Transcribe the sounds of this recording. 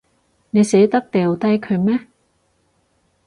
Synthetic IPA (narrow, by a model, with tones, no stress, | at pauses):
ne˨˧jse˨˥jt̪ɐ˥k̚t̪eː˨wt̪ɐ˥jkʰɵ˨˧ɥmɛː˥